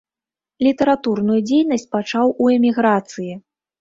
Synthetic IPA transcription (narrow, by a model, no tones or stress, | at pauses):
lʲit̪ɐɾat̪urnujud͡zʲejn̪ɐsʲt͡sʲpat͡ʂawuɛmʲiɣɾat̪sɨji